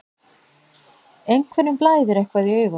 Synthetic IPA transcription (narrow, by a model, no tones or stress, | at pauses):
ejŋkʰvɛɾnːʏmplaːjðʏɾɛhkvaðiœːɥɣa